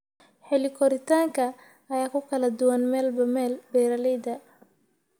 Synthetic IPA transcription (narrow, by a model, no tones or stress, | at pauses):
ħɛlɪkʰɔɾɪt̪ʰaːŋkʰɐː | jaːkʰʊkʰɐlɐd̪ʊwɐnmɛːlbɐmɛːlbɛːɾɐlɛjd̪ɐ